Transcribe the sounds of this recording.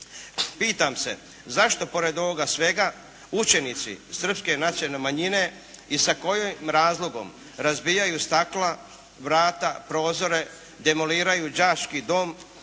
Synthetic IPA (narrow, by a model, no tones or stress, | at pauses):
piːt̪amse̞̰ | zaʃt̪o̞po̞ɾe̞d̪o̞ʋoɡasʋe̞ɡa | ut͡ʃe̞nit̪sḭsr̩pske̞nat̪sijnemaɲine̞ | isako̞jomɾaːzlˠo̞ɡo̞̰m | ɾazbijajust̪akla | ʋɾaːt̪apɾo̞ːzo̞ɾe̞ | d̪e̞mo̞liːɾajud͡ʒaːʃkid̪o̞ːm